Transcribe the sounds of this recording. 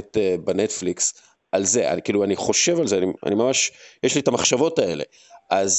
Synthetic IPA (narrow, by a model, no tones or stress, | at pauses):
tebenetfliks | ʔalze̞a̰nkiːluaniχo̞ʃe̞valzeania̰nimamaʃjeʃlietamaχʃavo̞tae̞le̞̰ | ʔaz